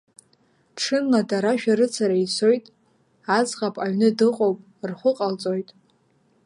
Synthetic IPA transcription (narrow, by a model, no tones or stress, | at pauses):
ʈ͡ʂʰɨnladaɾaʃᶣaɾɨt͡sʰaɾait͡sʰo̞jtʼ | ad͡zʁapʼaɥnɨdɨqʼo̞wpʼ | rχʷʊqʼalt͡sʼo̞jtʼ